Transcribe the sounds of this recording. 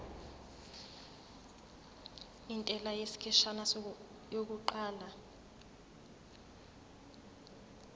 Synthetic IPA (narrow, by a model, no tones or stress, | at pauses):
intʼɛlajesi̥kʰɛʃana | jok̬uǃaːla